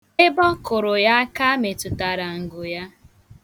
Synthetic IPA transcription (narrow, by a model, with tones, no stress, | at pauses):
ɪ˦bɔ˦kʊ˨ɾʊ˨ja˦a˦ka˦me˨tʊ˨ta˨ɾa˨ŋ̩˨ɡʊ˨ja˦